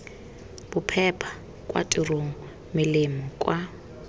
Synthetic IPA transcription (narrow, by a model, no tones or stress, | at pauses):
b̥ʊpʰɛpʰḁ | kʼwa̰tʼʊroŋ̩ | mɪlɪmɔkʼwa